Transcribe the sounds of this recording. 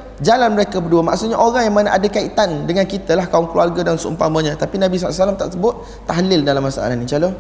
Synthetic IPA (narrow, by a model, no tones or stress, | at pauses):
d͡ʒalanməɾekabəduəma̰ʔksʊt̪̚ɲaʔoɾaŋjaŋmanaʔadakait̪andəŋankit̪alahkaʊŋkluarɡadansəṵmpaməɲãt̪apinãbisaasalamt̪a̰ʔsəbʊt̪̚ːaɦlɪldalamːasaʔa̰lahnĩt͡ʃalo